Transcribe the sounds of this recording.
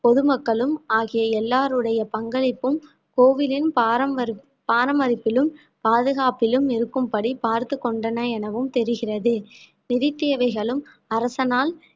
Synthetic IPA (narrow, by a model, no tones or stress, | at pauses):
pɔðɯmɐkːɐɭɯmaːɣɪjɐɛlːaːɾɯɽɐjɐpɐŋɡɐɭɪpːɯm | koːʋɪlɪnpːɐɐ | paːɾɐmɐɾɪpːɪlɯm | paːðɯɣaːpɪlɯmɪɾɯkːɯmpɐɽipaːɾt̪ɯkːɔɳɖɐnɐɛnɐʋɯmt̪ɛɾɯɣɪrɐðɯ | nɪðɪt̪ːeːʋɐɪɣɐɭɯm | ɐɾɐsɐnaːl